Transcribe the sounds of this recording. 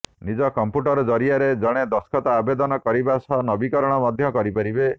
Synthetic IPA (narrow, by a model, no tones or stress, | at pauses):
nid͡ʒɔkɔmpuʈɔɾɔd͡ʒɔɾiaɾed͡ʒɔɽ̃ed̪ɔskʰɔt̪aːbed̪ɔnɔkɔɾibasɔnɔbikɔɾɔɽ̃ɔmɔd̪ʱjɔkɔɾipaɾibe